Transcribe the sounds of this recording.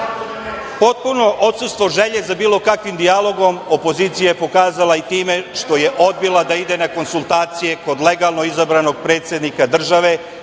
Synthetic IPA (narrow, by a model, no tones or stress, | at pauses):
po̞t̪̚puno̞ʔo̞t̪sust̪ʋo̞ʒe̞ʎe̞zabiːlo̞kakʋimd̪ijalˠo̞ɡo̞mopo̞ziːt̪sijaepo̞kaːzalait̪iːme̞ʂt̪o̞je̞ʔo̞d̪̚bilad̪aid̪e̞nako̞nsulˠt̪aːt̪sije̞ko̞d̪le̞ɡalˠno̞izabɾano̞ɡ̚pɾe̞ːt̪sje̞d̪nikad̪r̩ʒaʋe̞